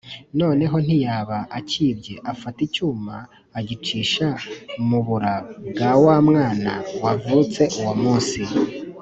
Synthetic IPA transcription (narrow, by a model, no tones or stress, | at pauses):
no̞ːne̞ɦo̞n̥ijaːβaʔaciːbɟe̞ʔafaticuːmaː | ɟit͡ʃiːʃamuβuɾabɡawamŋaːna̰wavut͡se̞ʔuwamuːnsi